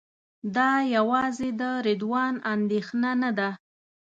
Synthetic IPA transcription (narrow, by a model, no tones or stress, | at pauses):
d̪ɑjawɑzed̪əɾɪd̪wɑnand̪exnanad̪a